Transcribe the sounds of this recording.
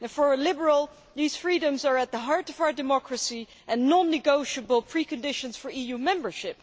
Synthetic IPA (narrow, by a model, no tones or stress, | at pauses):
fə˞əlɪbə˞əl̩ˠ | ðiz̥fɹiɾə̃mzə˞ɨt̪̚ðəɦɑɹɾʌvaʊə˞dɨmɑkɹɨsi | ʔɨ̃nːɑ̃nːɨɡoʊʃəbəl̩ˠpʰɹ̥ikɨ̃ndɪʃɨ̃nz̥fə˞ijumɛ̃mbə˞ʃɪp̚